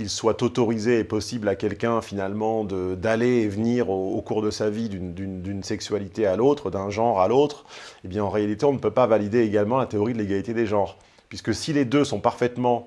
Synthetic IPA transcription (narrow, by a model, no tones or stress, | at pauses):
ilswat̪ɔt̪ɔʁizeːpɔsiblakʲɛlkʲɛ̃finalmɑ̃d̪əd̪aleːvəniʁookuʁd̪əsavid̪ynd̪ynd̪ynsɛksɥalit̪ealot̪χd̪ɛ̃ʒɑ̃ʁalot̪χebjɛ̃ɑ̃ʁealit̪eɔ̃nəpøpavalid̪eːɡalmɑ̃lat̪eɔʁid̪əleɡalit̪ed̪eʒɑ̃ʁ | pɥiskəsiled̪øsɔ̃paʁfɛt̪mɑ̃